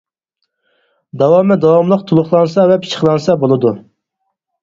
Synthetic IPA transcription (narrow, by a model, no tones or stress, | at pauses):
d̪ɑwɑmɛd̪ɑwɑmlˠəq̚t̪ʰulˠʊχlˠɑnsɑvɛpʰi̥t͡ʃʰə̥χlˠɑnsɑbolˠɨd̪u